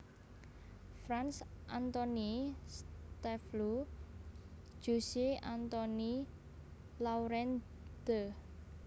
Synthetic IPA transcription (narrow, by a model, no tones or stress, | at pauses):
fɾansʔant̪ɔnist̪ɛflu | d͡ʒ̥usiant̪ɔni | lawɾɛn | d̪̥ə